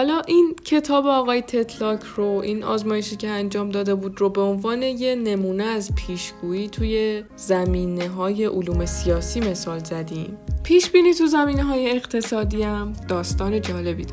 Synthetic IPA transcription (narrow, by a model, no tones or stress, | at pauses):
ɒlɒːʔincʰe̞t̪ʰɒːbeɒːɣɒːjet̪ʰe̞t̪ʰlɒːcʰroʔinɒ̰ːzmɒːje̞ʃiːcʰeænd͡ʒɒːmd̪ɒːd̪e̞buːd̪robe̞o̞nvɒːne̞je̞ne̞muːneæzpʰiːʃɡ̥uːiːt̪ʰuːje̞ | zæmiːneɦɒːje̞ʔoluːme̞sijɒːsiːme̞sɒːlzæd̪impʰiːʃbiːniːt̪uzæmiːneɦɒːje̞ːɣt̪ʰe̞sɒːd̪iːæmd̪̥ɒːst̪ɒːne̞d͡ʒɒːle̞biːd̪